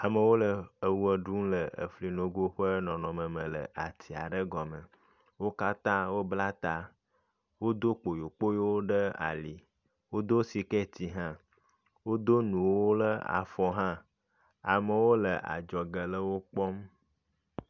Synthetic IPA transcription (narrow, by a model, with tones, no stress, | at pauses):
a˨mə˨wo˦lə˨ə˨wu˦ə˨ɖu˦ŋ˦lə˨ə̰˨fli˨no˨ɡo˦ɸə˦nɔ̃˨nɔ̃˨mə̃˨mə̃˨lə̰˨ʔa˨t̪ʰi˨a̰˨ɖə˦ɡɔ˨mə̃˨ | wo˦ka˦t̪ã˦wo˦bla˦t̪a˨ | wo˦d̪o˦k͡po˨jo˨k͡po˦jo˦wo˦ɖə˦a̰˨li˨ | wo˦d̪o˦si˨kɛ˦t̪i˨ɦã˦ | wo˦d̪o˦nũ˨wwo˦lə˦a̰˨fɔ˨ɦã˦ | a˨mə˨wo˦lə˨ʔa̰˨d͡ʒɔ˨ɡə˨lə˦wo˦k͡pɔ˦m